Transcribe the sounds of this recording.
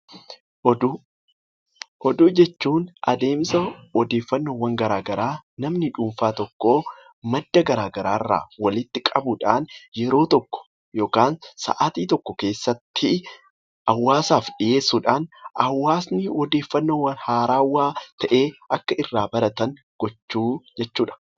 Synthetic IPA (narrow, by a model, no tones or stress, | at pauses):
d | hɔd̪ud͡ʒɛt͡ʃːuːnʔɐ̰d̪e̞ːmsɐwɔd̪e̞ːfːɐnːoːwɐŋɡɐɾaːɡɐɾaːnɐmnɪᶑuːmfaːt̪ɔkːo̞ː | mɐd̪ːɐɡɐɾaːɡɐɾaːɪrːa̰ːwɐlɪt̪ːɪkʼɐbʊᶑaːnjɛɾo̞ːt̪ɔkːɔ̥ | jo̞ːkaːnsɐ̰ʔaːt̪iːt̪ɔkːɔke̞ːsːɐt̪ːɪ | ʔɐwːaːsaːfᶑɪje̞ːsːuːᶑaːnʔɐwːaːsnɪwɔd̪e̞ːfːɐnːoːwɐnhaːɾaːwːaːt̪ʰɐʔe̞ːʔɐkːɐʔɪrːaːbɐɾɐt̪ɐŋ | ɡ̥ɔt͡ʃːuːd͡ʒɛt͡ʃːuːᶑɐ̥